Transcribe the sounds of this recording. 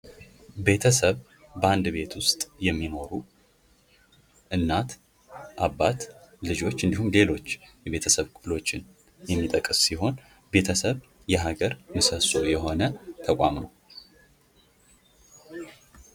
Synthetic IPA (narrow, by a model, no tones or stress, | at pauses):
be̞t̪ʰəsəβ | bəand̪βe̞t̪ʰwʊst̪ʼjɛmːino̞ɾu | ʔɨnːat̪ | ʔaβːat̪lɨd͡ʒo̞t͡ʃːɨnd̪ihumle̞lo̞t͡ʃːjɛβe̞t̪ʰəsəβkʰʼɨflo̞t͡ʃːɪn | jɛmːit̪ʼəkʼːɨssiɦo̞n | be̞t̪ʰəsəβ | jɛɦaɡəɾmɨsəso̞jɛɦo̞nət̪ʰəkʼʷamnow